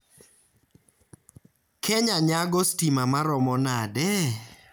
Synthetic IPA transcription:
kʰɛɲaɲaɡɔstimamaɾɔmɔnadɛ

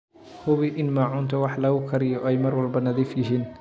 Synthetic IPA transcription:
hʊβiʔɪnmaːʕʊnt̪ʰɐwɑħlɐɣʊkʰɐɾɪjɔʔɛjmɐrwɐlbɐnɐðiːfjɪɦiːn

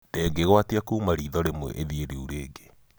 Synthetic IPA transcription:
d̥ɛɡeɣwatiakuːmaɾiːðɔɾemwɛ̰ʔeðieɾiuɾeːɡe

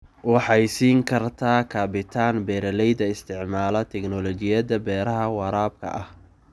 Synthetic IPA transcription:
wɑħɑjsiːŋkʰɐrt̪ʰaːkʰaːbɪt̪ʰaːnbɛːɾɐlɛjd̪ɐɪst̪ʰɪʕmaːlɐt̪ʰɛknɔlɔt͡ʃɪjɐðɐbɛːɾɐɦɐwɑɾaːb̚kʰɐ̰ʔɐh

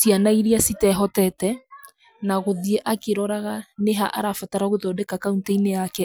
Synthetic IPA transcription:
sianaiɾiasitɛɦɔtɛtɛ | naɣoðiɛʔakeɾɔɾaɣaneɦaʔa̰ɾafataɾaɣoðɔdɛkakauntaineakɛ

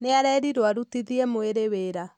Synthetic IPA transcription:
neaɾɛɾiɾwaɾutiðiemoeɾeweːɾa

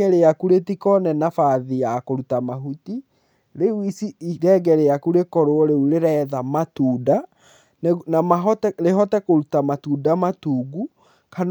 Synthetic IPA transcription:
ɛɾeakuɾetikɔnɛnafaðiakoɾutamaɦuti | ɾewisiiɾɛɡɛɾeakuɾekɔɾoɔɾeuɾeɾɛðamatuːda | nnamaɦɔtɛɾeɦɔtɛkoɾutamatuːdamatuːɡu | kan

